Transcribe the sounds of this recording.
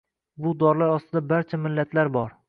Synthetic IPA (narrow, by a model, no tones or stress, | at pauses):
bʊd̪ɒɾlaɾɒst̪ʰɪd̪abaɾt͡ʃʰamɪlːat̪ʰlaɾbɒɾ